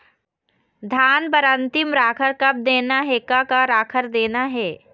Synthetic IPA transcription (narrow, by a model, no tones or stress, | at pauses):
d̪ʱaːnbəɾə̃nt̪ɪmɾaːkʰəɾkɐb̚d̪eːnaɦeːkakaɾaːkʰəɾd̪eːnaɦɛː